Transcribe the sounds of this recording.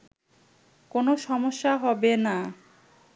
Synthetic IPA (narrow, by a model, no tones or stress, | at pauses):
konoʃɔmoʃːaɦɔbena